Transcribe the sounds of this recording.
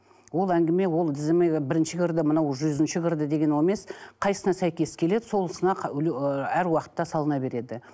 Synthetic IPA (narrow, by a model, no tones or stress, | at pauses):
wo̞lˠæŋɡʲɪme̞wo̞lˠd̪ɪzɪmebɪɾɪnʃɪɡʲɪɾd̪ɪmənɑwʒʏzɪnʃɪɡʲɪɾd̪ɪd̪e̞ɡʲe̞nome̞sqʰɑjsənɑsæjkʲe̞skʲʰe̞le̞d̪ɪso̞lˠəsənɑ | æɾwɑqə̥t̪ːɑsɑlˠənɑbe̞ɾe̞d̪ɪ